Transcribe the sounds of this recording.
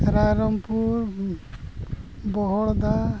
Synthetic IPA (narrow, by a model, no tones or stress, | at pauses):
ɾaɾɔmpuɾ | bɔɦɔɭd̪a